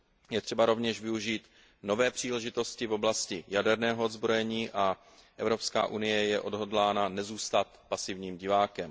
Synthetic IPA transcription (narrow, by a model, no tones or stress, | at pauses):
jɛt̪r̥ɛbaɾo̞vɲɛʃvɪuʒiːt̪ | no̞vɛːpr̝̥iːlɛʒɪt̪o̞scɪvo̞blascɪjadɛɾnɛːɦoozbɾo̞jɛɲiːʔa | ʔɛvɾo̞pska̰ːʔunɪjɛjɛʔo̞dɦo̞dlaːnanɛzuːst̪at̪pasɪvɲiːmɟɪvaːkɛm